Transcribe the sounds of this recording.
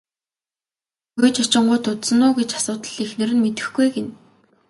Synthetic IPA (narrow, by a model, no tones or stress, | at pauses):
xʊjt͡ɕat͡ɕɪ̆ɴɢʊjt̪ʰʊt̪sə̆nːʊːɡet͡ɕḁsʊːt̪ə̆ɮixnɘ̆ɾɘ̆nmet̪ɘ̆xɡujɡen